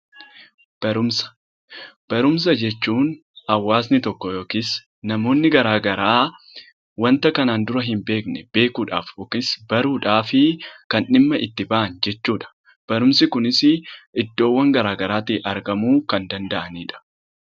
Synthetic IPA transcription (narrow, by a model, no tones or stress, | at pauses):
b̥ɐɾʊmsɐ̥ | b̥ɐɾʊms̬ɐd͡ʒɛt͡ʃːuːn | ɐwːaːsnɪt̪ɔkːɔjo̞ːkis | nɐmo̞ːnːɪɡɐɾaːɡɐɾaː | wɐnt̪ɐkɐnaːnd̪ʊɾɐɦɪmbe̞ːknɛb̥e̞ːkuːᶑa̰ːfoːkɪsbɐɾuːᶑaːfɪkɐnɪmːɐʔɪt̪ːɪbɐʔɐnd͡ʒɛt͡ʃːuːᶑɐ̥ | b̥ɐɾʊmsɪkʊnɪsɪʔɪd̪ːo̞ːwːɐŋɡɐɾaːɡɐɾaːt̪iʔɐɾɡɐmuːkɐnd̪ɐnd̪ɐʔɐniːᶑɐ̥